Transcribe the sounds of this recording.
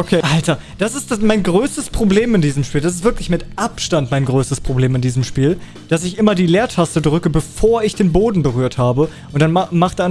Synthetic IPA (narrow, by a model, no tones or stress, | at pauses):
okʰeːʔaltɐ | d̥asɪstd̥amaɪnɡʁøːstəspʁ̥obleːmɪndiːzəmʃpiːldas̬ɪstv̥ɪɐklɪçmɪtʔapʃtantmaɪnɡʁøːstəspʁ̥obleːmɪndiːzəmʃpiːl | d̥asɪçʔɪmɐdiːleːɐtʰastədʁʏkəbəfoːɐɪçd̥eːnboːdn̩bəʁ̞yːɐthaːbə | ʔʊntd̥anmaχtan